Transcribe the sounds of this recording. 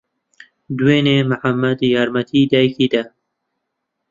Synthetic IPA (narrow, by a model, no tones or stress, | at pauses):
d̪weːneːməħamːɐd̪jɑːɾmɐt̪ʰiːd̪ɑːjkiːd̪ɐ